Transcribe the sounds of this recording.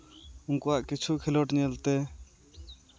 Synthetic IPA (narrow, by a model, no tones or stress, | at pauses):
unkɔaʔkit͡ʃʰukʰɛlɔʈɲɛlt̪ɛ